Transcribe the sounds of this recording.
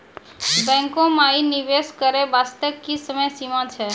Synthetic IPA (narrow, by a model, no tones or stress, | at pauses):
bɛ̃ŋkõmainiʋeskəɾebast̪əkːisəməjsimãt͡ʃʰɛ